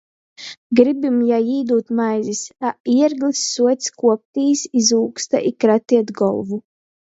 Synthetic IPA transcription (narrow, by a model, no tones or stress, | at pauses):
ɡɾibimjajiːd̪uːt̪majzisaiɛɾɡlisːuɔt̪skuɔp̚t̪iːsizuːkst̪a̰ʔikɾat̪iɛt̪ɡɔ̰lˠvu